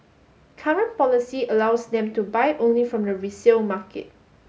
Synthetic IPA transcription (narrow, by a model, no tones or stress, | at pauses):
kʰaɹə̃npɔlisiəlaʊsdɛ̃mtubaɪʔõnlifɹɔ̃mdəɹisilmakḛt̚